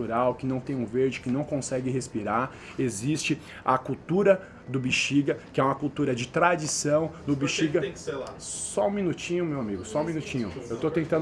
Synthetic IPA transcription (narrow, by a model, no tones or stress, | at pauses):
uɾawkɪnɐ̃w̃t̪ẽj̃ʊ̃veɾd͡ʒɪkɪnɐ̃w̃kõsɛɡɪɦespiɾaɾ | ezist͡ʃɪ | ɐkuwt̪uɾɐ | d̪ʊbiʃiɡɐkɪɛũmɐkut̪uɾɐd͡ʒɪt̪ɾad͡ʒisɐ̃w̃nʊbiʃiɡɐ̃ | sɔũminut͡ʃĩɲʊmewamiɡʊsɔũmĩnut͡ʃĩɲʊ̰ewt̪ot̪ẽt̪ɐ̃n